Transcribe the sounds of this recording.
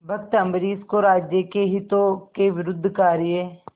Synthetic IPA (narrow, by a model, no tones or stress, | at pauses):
bʱɐkt̪əmbɾiːskoɾaːd͡ʒjəkeɦɪt̪okeʋɪɾʊd̪ʱːkaːɾɪje